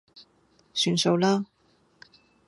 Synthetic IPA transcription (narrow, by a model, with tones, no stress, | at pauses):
syː˨˩nso˨˧wlaː˥